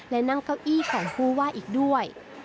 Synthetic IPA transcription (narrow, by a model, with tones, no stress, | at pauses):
lɛ˦˧˩na˧˥˨ŋka˧˩wʔiː˥˩˨kʰɔː˩˦ŋkʰuː˧˥˩waː˥˩˨ʔiː˨˩k̚du˥˩əj